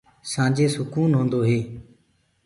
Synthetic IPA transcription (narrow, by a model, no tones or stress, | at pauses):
sãːd͡ʒeːsʊkuːnɦõːnd̪oːɦeː